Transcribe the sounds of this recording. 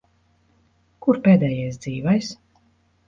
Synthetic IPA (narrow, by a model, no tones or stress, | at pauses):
kuɾpeːd̪ɛːjɛjsd̪ziːvajs